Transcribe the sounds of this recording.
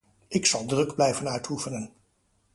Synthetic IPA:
ɪksɑlˠdrɵɡblɛjvənœɥtʰufənən

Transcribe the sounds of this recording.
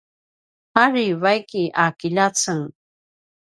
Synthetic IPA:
paɾiwajkɪʔakɪʎat͡saŋ

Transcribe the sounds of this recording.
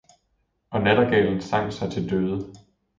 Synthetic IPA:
ʔɒ̽næd̥ɐɡ̥ɛ̰ːln̩sɑ̈ŋ̰̥sɑ̈ɪt͡sʰe̝ld̥øːð̞ˠə

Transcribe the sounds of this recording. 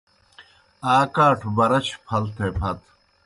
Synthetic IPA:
aːkaːʈʰbɐɾɐt͡ɕʰpʰɐlt̪ʰeːpʰɐt̪

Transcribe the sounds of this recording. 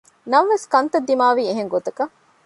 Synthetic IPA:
nɐʋeskɐnt̪ɐd̪ːimaːʋieɦeŋɡot̪ɐkɐ

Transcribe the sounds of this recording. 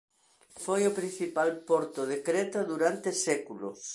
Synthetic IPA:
fojopɾin̟θipalpɔɾt̪ʊð̞ekɾet̪oðuɾant̪esɛkulʊ̰s

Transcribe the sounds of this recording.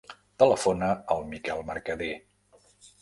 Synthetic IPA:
t̪ələfonəəlˠmikɛlˠməɾkəðe

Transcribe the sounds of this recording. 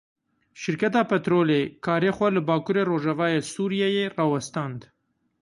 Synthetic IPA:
ʃɪɾkat̪ɑpat̪ɾolekʰɑːɾexwaləbɑːkuɾeɾoʒavɑːjesuɾijajerɑːwast̪ɑnd̪

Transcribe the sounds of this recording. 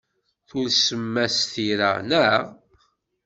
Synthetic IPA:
θulsəmːæsθiɾa̰næ

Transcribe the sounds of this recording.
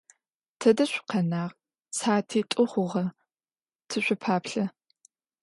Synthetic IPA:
tʰɐdɐɕʷʊ̥qʰɐnaːʁ | sʰaːtʰiːtʷʼʊχʷʊʁɐ | tʰɨɕʷʊpʰaːpɬɐ

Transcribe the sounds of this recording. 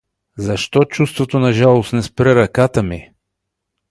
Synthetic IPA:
zɐʃt̪ɔt͡ʃust̪vot̪onɐʒalˠosnɛspɾɛɾɐkat̪əmi

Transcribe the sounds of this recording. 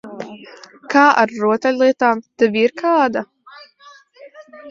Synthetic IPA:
kaːʔa̰ɾːuɔt̪ɛlʲlˠiɛt̪aːmt̪ɛviɾkʰaːd̪a

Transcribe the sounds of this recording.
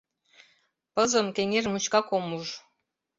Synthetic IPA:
pɤ̆zɤ̆mkeŋermut͡ɕkɑkomuʐ

